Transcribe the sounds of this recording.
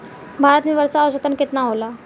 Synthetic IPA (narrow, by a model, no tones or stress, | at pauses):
bʱaɾət̪miːʋəɾsaːʋəɕət̪ənket̪naɦola